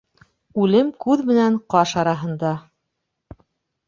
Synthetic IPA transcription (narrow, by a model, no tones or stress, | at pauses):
ʉlɘmkʉðmɘ̆næɴqɑʃɑɾɑɦɤ̆nd̪ɑ